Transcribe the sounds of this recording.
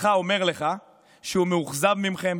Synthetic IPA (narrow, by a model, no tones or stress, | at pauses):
χao̞me̞ʁle̞χa | ʃeumeuχzavmimχe̞m